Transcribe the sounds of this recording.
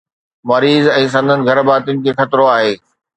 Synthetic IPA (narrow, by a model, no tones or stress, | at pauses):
mɐɾiːzɛ̃ːs̬ɐ̃nd̪ʱənɪ̆ɡʱɐɾbaːt̪jʊnɪ̆kʰeːxɐt̪ɾoaːɦeː